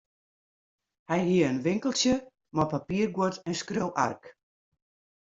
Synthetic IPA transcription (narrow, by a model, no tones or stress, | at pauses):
hɛjɦiəənʋɪŋkəl̩ˠsjə | mɔpapiərɡwotɛnskrowʔa̰rk